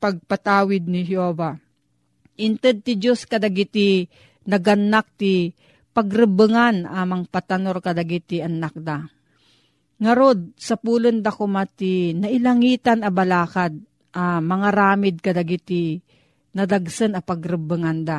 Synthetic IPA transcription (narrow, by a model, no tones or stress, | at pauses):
pɐɡ̚pat̪aːwɪd̪̚nɪɦjoːva | ʔɪnt̪ɛd̪̚t̪ɪd͡ʒoskɐd̪aɡɪt̪ɪ | nɐɡɐnːak̚t̪ɪ | pɐɡɾɨbɨŋanamɐŋpat̪anoɾkɐd̪aɡɪt̪ɪanak̚d̪a | ŋɐɾod̪̚sɐpuːlond̪akʊmat̪inɐʔɪlɐŋiːt̪anɐbɐlaːkad̪̚ | ʔamɐŋaɾaːmɪd̪̚kɐd̪aɡɪt̪ɪ | nɐd̪aɡsɨnɐpɐɡɾɨbɨŋand̪a